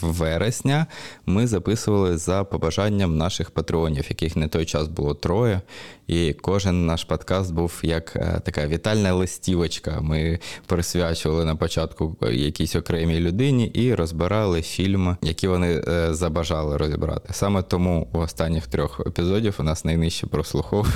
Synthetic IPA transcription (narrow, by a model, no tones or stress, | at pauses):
ʋɛɾesʲnʲɐmɪzɐpɪsʊʋɐlˠɪzɐpɔbɐʒɑnʲːɐmnɑʃɪxpɐt̪ɾɪɔnʲiwjɐkɪxnɛt̪ɔjt͡ʃɑzbʊlˠɔt̪ɾɔjɛikɔʒɪnːɑʃpɔd̪kɑst̪̚buwjɐkt̪ɐkɑʋʲit̪ɑlʲnɐlˠɪsʲtʲiʋɐt͡ʃkɐmɪpɾɪsʲʋʲat͡ʃʊʋɐlˠɪnɐpɔt͡ʃɑt̪kʊjɐ̰kʲisʲɔkɾɛmʲilʲʊd̪ɪnʲiʔiɾɔzbɪɾɑlˠɪfʲilʲmjɐkʲiʋɔnɪzɐbɐʒɑlˠɪɾɔzʲḭbɾɑ̰t̪ɪ̥sɑmɛt̪ɔmuuɔst̪ɑnʲːixt̪ɾʲɔxḛpʲizɔdʲiwnɑsnɐjnɪʃt͡ʃːɛpɾɔslˠʊxɔʋ